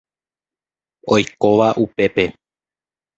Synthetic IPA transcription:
o̞jkoʋaʔupe̞pe̞

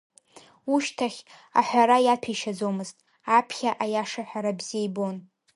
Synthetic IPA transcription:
uʃtʰaχʲa̰ħʷᶣaɾajatʰaʃad͡zomɨztʼ | apʰχʲaʔajaʂaħʷᶣaɾabziejbon

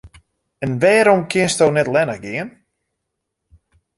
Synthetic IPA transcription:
ənʋɛːɾɔmkʰjɪənstownɛtlɛnəɣɡɪən

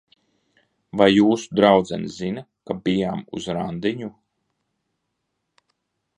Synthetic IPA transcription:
vajːuːsu̥d̪ɾawd̪zɛ̰nzina | kabijaːmṵzɾand̪iɲu

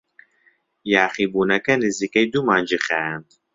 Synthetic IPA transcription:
jaːχibunɐkɐnizikɛjd̪umaːnd͡ʒiχɛn

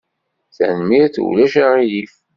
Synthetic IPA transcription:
θænmiɾθulæʃaʁijif

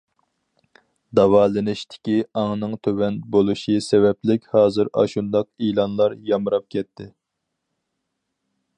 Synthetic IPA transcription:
d̪ɑwɑːlɨnɪʃt̪ʰɪ̥kʲiɑŋnɨŋt̪ʰøwɛnbolˠuʃisɛvɛplɪkʲhɑːzɨɾɑ̰ʃund̪ɑq̚ilˠɑnlˠɑɾjɑmɨɾɑp̚kʲʰɛt̪ʰːɪ

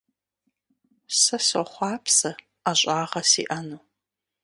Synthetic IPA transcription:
sɐsɔχʷɑːpʰsɐ | aɕʼaːʁɐsḭːʔɐnuː

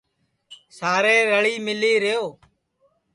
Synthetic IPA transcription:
saːɾeːɾəɭiːmɪliːɾɪjoː

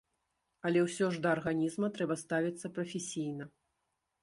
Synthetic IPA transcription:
ɐlʲɛwsʲɔʐd̪ɐːrɣanʲizmɐt̪ɾɛbɐst̪avʲit̪sːɐpɾɐfʲesʲijnɐ

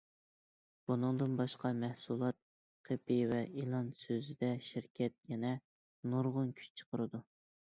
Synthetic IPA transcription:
b̥unɨŋd̪ɨnbɑʃqɑmɛhsulˠɑt̪̚ | qʰepɪvɛʔilˠɑnsøzɪd̪ɛʃiɾkʲʰɛt̪̚jɛnɛ | nuɾʁʊnkʲʰy̥t͡ʃt͡ʃʰə̥qʰəɾɨd̪u

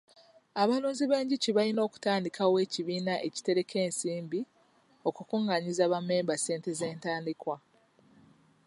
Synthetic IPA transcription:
aβaluːnziβe̞ːɲɟiciβalino̞ːku̥taːndikʰawe̞ːciβiːnaʔe̞ci̥te̞ɾe̞kʰe̞ːnsiːmbi | o̞kukuŋɡaɲizaβamːe̞ːmbase̞ːnte̞ze̞ːntaːndikwa

